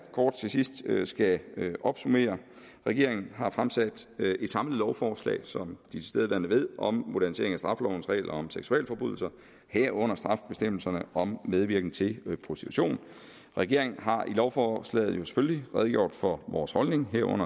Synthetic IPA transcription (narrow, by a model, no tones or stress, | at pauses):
kʰɒːd̥̚t͡sʰe̝sisd̥sɡ̥æʔɒ̽b̥sume̝̰ːɐ | ʁɛɡ̥e̝ɐ̰eŋn̩ɦɑ̈fʁamsæd̥e̝d̥sɑ̈mləð̩ˠlɒʊfɒːslɛ̰ːɪsɒ̽md̥it͡sʰe̝seðˠʋæɐndəʋe̝ð̰ˠʔɒ̽mmo̝d̥æɐnise̝̰ɐeŋæsd̥ʁɑ̈flɒʊn̩sʁɛ̰ɪlɒɒ̽mseɡ̥suɛ̰ːlfɒ̽b̥uð̞ˠl̩sɐ | heɐ̰ɔ̽n̰ɐsd̥ʁɑ̈fb̥e̝sd̥em̰l̩sɐnəʔɒ̽mːeð̞ˠʋiɐɡ̥neŋt͡sʰe̝lpʰʁo̝sd̥i̥t͡sʰuɕo̝̰ːn | ʁɛɡ̥e̝ɐe̝ŋn̩ɦɑ̈ʔilɒʊfɒslɛ̰ːð̩ˠjo̝se̥følliʁɛð̞ˠɡ̥jo̝̰ːd̥fɒ̽ʋɒːshɒ̽lne̝ŋɦeɐ̰ʔɔ̽n̰ɐ